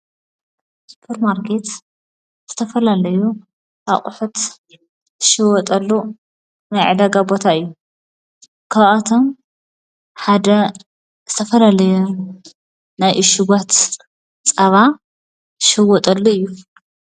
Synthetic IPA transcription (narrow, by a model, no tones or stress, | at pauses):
spʰuɾmaɾkʰe̞t̪ | z̥ɨt̪ʰɐfɐlalɐju | ʔaqʼʊħut̪ | ɨʃɨwɔt̪ʼɐlːu | najʕɨd̪aɡabo̞t̪ʰaɨjːu | kʰaβat̪ʰom | ħad̪ɐ | z̥ɨt̪ʰɐfɐlalɐju | najʔɨʃɪɡat̪ | t͡sʼɐβa | ʃɨwɔt̪ʼɐlːuɨjːu